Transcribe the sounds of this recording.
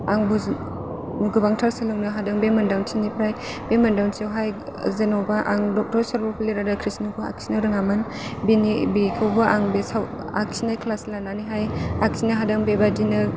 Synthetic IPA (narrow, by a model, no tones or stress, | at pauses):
aŋbu | nuɡɯbaŋtʰaɾsalɯŋnɯɦadɐŋbemɐndawnsʰinipʰɾaj | b̥emɐndawnsewɦaj | zenɔwbaʔa̰ŋdɔk̚tɔɾsaɾpɔpʰileɾadakʰɾisnɯkʰua̰k̚sinaɾɯŋamɯn | binibikʰɯwbaʔaŋbesaw | a̰k̚sinajkʰlaslananiɦajak̚sʰinaɦadɐŋbebadinɯ